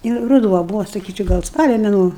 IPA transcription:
ɪr rʊˈduɔ ˈbʊʋoː sɐˈkʲiːt͡ʃʲɛʊ ˈɡɐlˠ ˈspɑːlʲoː mʲɛˈnuɔ

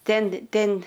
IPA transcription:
ˈtʲɛn ˈtʲɛn

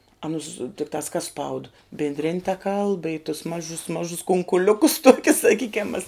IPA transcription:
ɐˈnʊs tʲɪkˈtɑːs kɐs spɐʊt bʲɪnʲdʲˈrʲɪnʲ tɐ kɐlˠp ɪ tʊs ˈmɑːʒʊs ˈmɑːʒʊs kʊŋkʊˈlʲʊkʊs ˈtoːkʲʊs sɐˈkʲiːkʲɛm mɐs

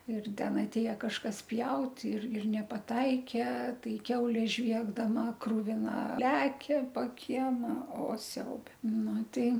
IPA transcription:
ɪr ˈtʲɛn ɐtʲˈeːjɛ kɐʃˈkɐs ˈpʲjɛʊtʲ ɪr ɪr nʲɛpɐˈtɐɪkʲɛ ˈtɐɪ ˈkʲɛʊlʲeː ˈʒʲʋʲiɛɡdɐmɐ krʊʋʲɪˈnɐ ˈlʲæːkʲɛ poː ˈkʲiɛmɐ oː ˈsʲɛʊbʲɛ ˈnʊ ˈtɐɪ

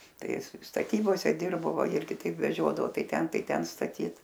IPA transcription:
ˈtɐɪ ˈɪs stɐˈtʲiːboːsʲɛ ˈdʲɪrboː ˈʋɐ ˈɪrʲɡʲɪ ˈtɐɪp ʋʲɛˈʒʲoːdɐʋoː ˈtɐɪ ˈtʲɛn ˈtɐɪ ˈtʲɛn stɐˈtʲiːt

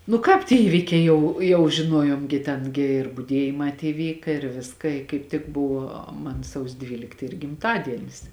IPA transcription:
nʊ ˈkɑːp tʲiɛ ˈiːʋʲɪkʲɛɪ ˈjɛʊ jɛʊ ʒʲɪˈnuɔjoːm ɡʲɪ ˈtʲɛn ɡʲɪ ɪr bʊˈdʲiɛjɪmɑː tʲiɛ ˈʋʲiːkɐ ɪr ˈʋʲɪskɐ ɪ kɐɪp ˈtʲɪk ˈbʊʋoː ˈmɐn ˈsɐʊsʲoː ˈdʲʋʲiːlʲɪkt ˈiːr ɡʲɪmˈtɑːdʲiɛnʲɪs

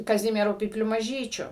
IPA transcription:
kɐˈzʲɪmʲiɛrʊ pʲiːpʲˈlʲʊ mɐˈʒʲiːt͡ʃʲʊ

